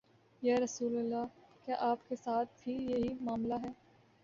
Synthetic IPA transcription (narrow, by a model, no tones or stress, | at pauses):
jɛːɾɐsuːlɐlːakjaːʔaːpkesaːt̪̚ʰfʰiːljeɦimaːmlaɦɛː